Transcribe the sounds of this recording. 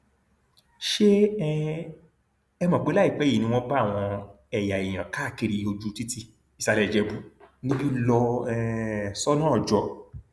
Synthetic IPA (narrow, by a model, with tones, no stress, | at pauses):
ʃe˦ | ɛ˧mã˨ɡ͡be˦la˦i˦˨k͡pɛ˨˦i˨nĩ˧w̃ɔ̃˦ba˦˨w̃ɔ̃˧ | ɛ˨ja˨i˨j̃ã˨ka˦˨ki˨˧ɾi˧o˧d͡ʒu˦ti˦ti˧ | i˨sa˧lɛ˨d͡ʒɛ˧bu˨˦ĩ˦bi˦lɔ˧˦ | sɔ˦nãː˦ɔ˨d͡ʒɔ˨˦